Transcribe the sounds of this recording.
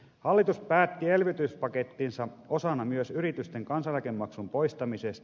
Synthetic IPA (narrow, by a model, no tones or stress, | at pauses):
hɑlːit̪uspæːt̪ːie̞lʋit̪yspɑket̪ːinsɑʔosɑnɑmyøsyɾit̪yst̪eŋkɑnsɑlækemːɑksumpo̞ist̪ɑmisest̪